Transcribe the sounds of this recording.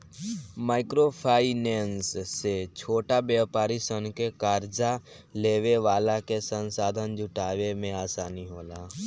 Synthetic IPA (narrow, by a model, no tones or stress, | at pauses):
maːɪkɾopʰaːɪnɛ̃ːnsːet͡ʃʰoːʈabjaːpaːɾisənkekaːɾd͡ʒa | leːʋeʋaːlakesənsaːd̪ʱənd͡ʒʱʊʈaːʋemẽaːsaːniɦoːlaː